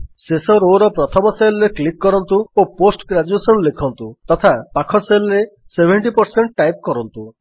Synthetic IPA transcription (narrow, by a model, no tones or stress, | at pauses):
sesɔɾoɾɔpɾɔt̪ʰɔmɔselɾeklikːɔɾɔnt̪uoposʈɡɾad͡ʒuesɔnlekʰɔnt̪ut̪ɔt̪ʰapakʰɔselɔɾe | sebʱeɳʈipɔɾseɳʈʈajp̚kɔɾɔnt̪u